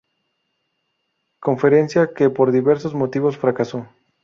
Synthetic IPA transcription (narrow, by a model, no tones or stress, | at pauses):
ko̞ɱfe̞ɾe̞nsjakepoɾðiβe̞ɾsozmo̞t̪iβo̞sfɾakaso̞